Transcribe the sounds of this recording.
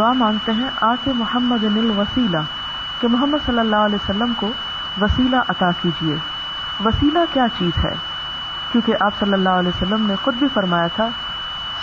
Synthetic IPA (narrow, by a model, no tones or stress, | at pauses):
d̪ʊaːmãːŋɡt̪eɦɛ̃ʔaːkemʊhəmːəd̪nɪlʋɐsiːla | kemʊɦəmːəd̪sɐlːəlːaːɦʊəlɛːjosəlːəmko | ʋɐsiːlaʔɐt̪aːkiːd͡ʒiḛː | ʋɐsiːlakjaːt͡ʃiːzɦɛ̰ː | kjõːkeʔaːpsɐlːəlːaːɦʊɐlɛːosəlːəmnexʊd̪̚bʱifɐɾmaːjat̪ʰaː